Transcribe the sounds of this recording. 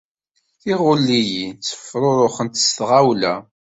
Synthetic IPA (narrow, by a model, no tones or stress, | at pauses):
θiʁʊlːijit͡sːə̥fɾˤoɾˤoχənt̪ə̥st̪ʁawlæ